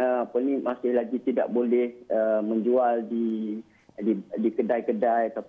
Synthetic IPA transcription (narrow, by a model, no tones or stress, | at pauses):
əmapənĩmasɪhlaɡit̪ida̰ʔbolɛhəmə̃ɲd͡ʒualdi | didikədajkədajat̪a